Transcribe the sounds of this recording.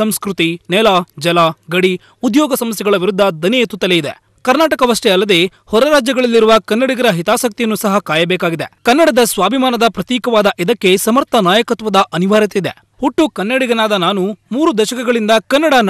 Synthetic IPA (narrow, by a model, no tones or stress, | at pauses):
sɐmskɾut̪inɛlaːd͡ʒɐlaːɡɐɽi | ud̪jɔːɡɐsɐmɐs̬jɐɡɐɭɐʋiɾud̪ʱːɐd̪ɐnɛjt̪ut̪ːɐlejid̪ḛ | kɐɾnaːʈɐkɐʋɐʂʈɛɐlːɐd̪e̞ːhɔɾɐɾaːd͡ʒjɐɡɐɭɐlːiɾuʋɐkɐnːɐɽiɡɐɾɐɦit̪aːsɐk̚t̪ijɐnːusɐɦɐkaːjɐbɛːkaːɡid̪ekɐnːɐɽɐd̪ɐsʋaːbʱimaːnɐd̪ɐpɾɐt̪jiːkɐʋaːd̪ɐʔid̪ɐkːe̞sɐmɐɾt̪ʰɐnaːjɐkɐt̪ʋɐd̪ɐʔɐniʋaːɾjɐt̪eid̪e | huʈːukɐnːɐɽiɡɐnaːd̪ɐnaːnumuːɾud̪ɛːʃɐkɛɡɐɭind̪ɐkɐnːɐɽɐn